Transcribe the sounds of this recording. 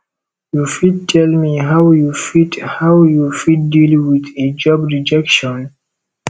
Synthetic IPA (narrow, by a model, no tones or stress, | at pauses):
jufid̚tʰɛlmiɦawjufithawjufid̚dilwiðed͡ʒɔbɹid͡ʒɛkʃɔ̃n